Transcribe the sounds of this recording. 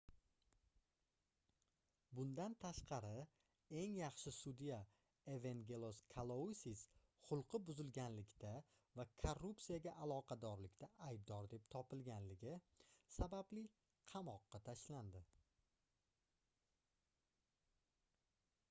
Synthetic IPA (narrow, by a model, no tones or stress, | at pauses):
bʊnd̪ant̪ʰaʃqʰɑɾɪ | e̞ŋjɑχʃɪsud̪ija | eveŋɡʲelˠoskʰalˠosis | χʊlˠqʰɨbʊzɪlɡʲanlɪkʲt̪ʰa | vakʰorːup̚t̪sijaɡʲaʔalˠɒqʰɑd̪ɒɾlɪkʲt̪ʰaʔajb̚d̪ɒɾd̪e̞pt̪ʰɒpɪlɡʲanlɪɡʲɪ | sabablɪ | qʰɑmɒqːɑt̪ʰaʃland̪ɪ